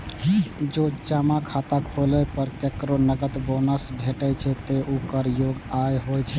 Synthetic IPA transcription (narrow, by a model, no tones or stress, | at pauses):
d͡ʒod͡ʒamakʰat̪akʰolɛpəɾkekɾonəɡət̪bonəsbʱeʈɛt͡ʃʰɛt̪eʔukəɾjoɡajɦojt͡ʃʰɛ